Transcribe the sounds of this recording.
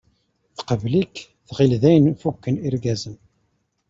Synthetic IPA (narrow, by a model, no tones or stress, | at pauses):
θqəvlikː | θʁilðæjnfukːəniɾɡæzən